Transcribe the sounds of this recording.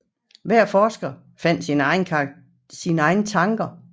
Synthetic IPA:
ʋæɐ̰fɒːsɡ̥ɐ | fæn̰d̥sinəɑɪnʰ | sinɑ̈ɪnət͡sʰɑ̈ŋɡ̥ɐ

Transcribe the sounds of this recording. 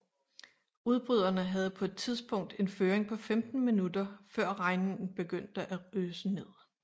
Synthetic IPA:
uð̞ˠb̥ʁyð̞̰ˠɐnəɦæð̞ˠəpʰɒ̽e̝d̥̚t͡sʰiðˠsb̥ɔ̽ŋ̰d̥e̝nføːɐʁeŋpʰɒ̽femd̥n̩minud̥ɐfɶɐ̰ʁɑ̈ɪnen̩b̥e̝ɡ̥øn̰d̥əʔæøːsəne̝ð̰ˠ

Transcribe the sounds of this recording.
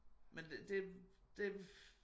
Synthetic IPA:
mend̥ed̥e

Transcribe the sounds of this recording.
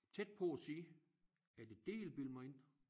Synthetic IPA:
t͡sʰed̥̚pʰɒ̽æsiː | æd̥ed̥e̝̰ːlb̥ilmɐe̝n̰

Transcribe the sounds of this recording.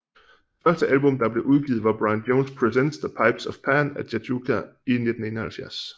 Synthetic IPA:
fɶɐsd̥əʔælb̥ɔ̽md̥ɑ̈b̥le̝ʔuð̞ˠɡ̥ḭːð̩ˠʋɑ̈b̥ʁɑ̈ɪnd̥oʊnspʰʁisensðəpʰɑ̈ɪb̥sɒfpʰænæd̥ædukʰæine̝d̥n̩e̝ːnɐhælfjæɐs

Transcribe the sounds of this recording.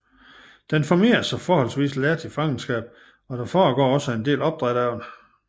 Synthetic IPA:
d̥enfɒme̝̰ːɐsɑfɒːhɒ̽lsʋḭːslæɐd̥ʰifɑ̈ŋn̩sɡ̥ɛ̰ːb̥ | ɒ̽d̥æfɒːɡ̥ɒ̰ːɒ̽səe̝nd̥e̝̰ːlɒ̽b̥̚d̥ʁaɾ̥æʊn

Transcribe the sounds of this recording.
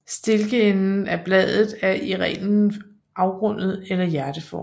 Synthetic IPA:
sd̥e̝lɡ̥əenn̩æb̥lɛð̰ˠð̩ˠæɐʔiʁɛ̰ːnn̩ | ʔɑ̈ʊɡ̥ʁɔ̽n̰ð̞̩ˠelɐjæɐd̥əfɒ̰ː

